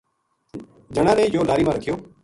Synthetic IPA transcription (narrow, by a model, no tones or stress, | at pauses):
d͡ʒəɽ̃ãːnẽːjoːlaːɾiːmãːɾəkʰɪjoː